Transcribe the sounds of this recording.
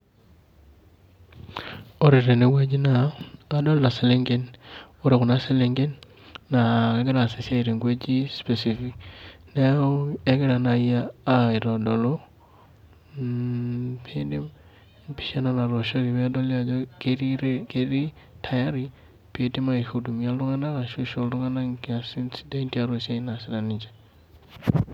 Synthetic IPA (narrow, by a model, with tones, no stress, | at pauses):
o˦ɾɪ˨ɾe˨ne˦we˦d͡ʒi˦naː˨dɔ˦lda˨se˦le˦ŋɡe˦n | o˦ɾe˨kʊ˨na˦se˦le˦ŋɡe˦nː | a˨ke˦ɡɪ˦ɾa˨sɪ˨sa˦i˨ɾe˨ŋɡwe˦d͡ʒi˦spe˨si˦fi˦knɛ˦o˦e˦ɡɪ˦ɾa˨na˨jaː˦˨ɪ˨ɾɔ˨dɔ˨lo˦ | pʰendi | pi̥ʃa˦nana˨ɾo˨ʃo˦ɾi˨βe˦do˦lia˨d͡ʒokeɾiɾkeɾi˦ | tʰa˨jaɾi | peti˦ma˨ihudu˨mia˦lɾu˦ŋa˦na˦ka˨ʃu˦ʃo˦lɾu˦ŋa˦na˦kasinsidenti˦a˦ɾosa˦inasi˨da˨nid͡ʒe